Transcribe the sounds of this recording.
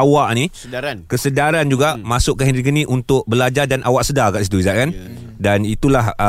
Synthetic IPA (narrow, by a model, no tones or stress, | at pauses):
awaʔni | kəsədaɾand͡ʒuɡamasʊʔkːaɦindɾikənĩʔunt̪ʊk̚bəlad͡ʒadanʔawaʔsədakaʔsit̪uizaʔkan | danit̪ulah